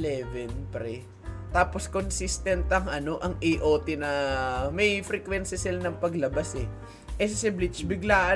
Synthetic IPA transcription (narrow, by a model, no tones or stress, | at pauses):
lɛvɛnpɾɛ | t̪aːpo̞skonsist̪ɛnt̪ɐŋʔɐno̞ʔɐŋʔɪʔoːt̪ɪnɐmɐjfɾɛkwɛnsɐsɪlanɐŋpɐɡlɐbasɛ | ʔɛsɪsɛblɪt͡ʃbɪɡlaːʔɐ